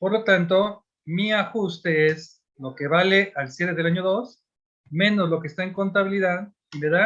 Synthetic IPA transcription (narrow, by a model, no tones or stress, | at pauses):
po̞ɾlo̞t̪ant̪̬o̞ | miaxust̪e̞es | lo̞ke̞βale̞ʔalsjeɾeðe̞laɲo̞ðo̞s | mẽ̞no̞zlo̞keːst̪aeŋko̞nt̪aβiliðað | ile̞ða